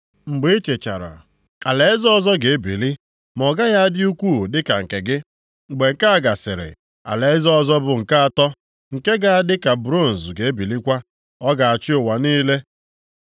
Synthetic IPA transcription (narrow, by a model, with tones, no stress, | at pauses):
ŋ͡m̩˨ɡ͡be˦e˦t͡ʃe˨t͡ʃa̰˨ɾa̰˨ | a˨le˨ɪ˦zɔ˦ɔ˦zɔ˦ɡe˨e˦bi˨li˦ | mɔ˨ɡa˦ja˦a˦dɪ˦u˦kʷu˦˨dɪ˦ka˨ŋ̩˨ke˨ɡɪ˦˨ | ɡ͡be˨ŋ̩˨ka˦a˦ɡa˨sɪ̰˨ɾɪ̰˨ | a̰˨le˨ɪ˦zɔ˦ɔ˦zɔ˦bʊ˨ŋ̩˨ka˦a˨tɔ˦ | ŋ̩˨ke˦ɡa˦a˦dɪ˦ka˨bɾo˦˨n̩˨zɡe˨˦e˦bi˨li˦kʷa˦ | ɔ˦ɡa˨a˨t͡ʃɪ˦ʊ˨wa˨niː˦le˦